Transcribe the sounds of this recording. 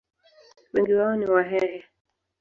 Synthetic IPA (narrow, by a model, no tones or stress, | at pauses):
wiŋɡiwaɔniwaɦɛɾɛ